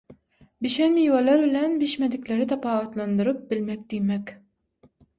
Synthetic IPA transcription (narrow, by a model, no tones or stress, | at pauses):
biʃæmijwalæɾbɪlænbiʃmæd̪ikʲlæɾɪt̪ʰɑpɑːwɑt̪lˠɑnd̪ɯɾɯp̚bɪlmæk̚d̪ijmækʲ